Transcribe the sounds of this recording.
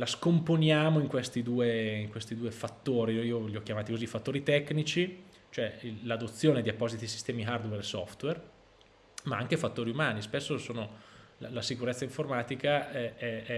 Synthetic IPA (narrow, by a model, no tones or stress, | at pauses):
laskomponjaːmoiŋkwest̪id̪uːeiŋkwest̪id̪uːefat̪ːoːɾiioʎiɔk̟jamaːt̪ikozifat̪ːoːɾit̪ɛkːnit͡ʃi | t͡ʃoɛilad̪ot̪sːjoːned̪iapːɔːzit̪isi̥st̪ɛːmiɦard̪weɾsɔ̰ft̪wer | maaŋkefat̪ːoːɾiumaːnispesːosoːnola̰lasikuɾet̪sːaiɱformaːt̪ikaɛɛɛ